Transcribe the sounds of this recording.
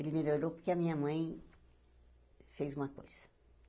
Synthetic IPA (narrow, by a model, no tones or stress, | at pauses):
elɪmeloɾopoɾkeɐmĩɲɐmɐ̃j̃ | fejzũmɐko̰jz̥ɐ̥